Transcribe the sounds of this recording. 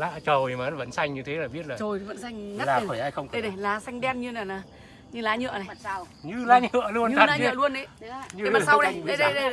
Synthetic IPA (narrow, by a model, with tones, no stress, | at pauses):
la̰ː˧˥t͡ɕə˨˩wmaː˨˦və̰˧˥nsa˧jŋ̟ɲɨ˧t̪ʰe˨˦laː˨˩ɓi˦˥ət̚laː˨˩o˨˩jvə̰˧˥nsa˧jŋ̟˦laː˨˩˧fəː˧˩jʔaː˧jxə˧wŋ͡mfjnə˨˩laː˨˦sa˧jŋ̟ɗɛ˧nɲɨ˧naː˨˩naː˨˩ | ɲɨ˧laː˨˦ɲɨ̰˧˨əna˨˩˨a˧w | ɲɨ˧laː˨˦ɲɨ̰˧˨əlu˧ən˧tʰaː˨˦ɨ̰˨lu˧ənʔə˨˦ɲ˧˦a˨sa˧˦wnə˨˦ə˧ɗə˨˧